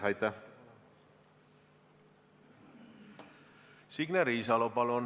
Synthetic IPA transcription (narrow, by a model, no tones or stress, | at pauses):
ɑjt̪ːɑ | siɡneɾiːsɑlopɑlon